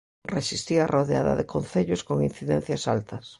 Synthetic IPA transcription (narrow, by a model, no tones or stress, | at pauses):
reʃist̪iaroðea̰ðɐ̰ðɪkʰon̟θeʎʊskoŋin̟θiðɛn̟θjɐsalt̪ɐs